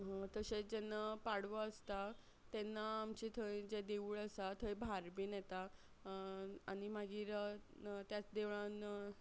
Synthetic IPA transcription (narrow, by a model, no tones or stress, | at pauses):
ɦə̃t̪əset͡sd͡ʑenːapaɽʋəəst̪a | t̪ɛnːaːmt͡ɕit̪ʰəj̃d͡ʑed̪euːɭəsat̪ʰəjbʱaɾbiːnjɛt̪a | aɽ̃imaɡiːɾ | t̪jat͡sd̪eʋɭãn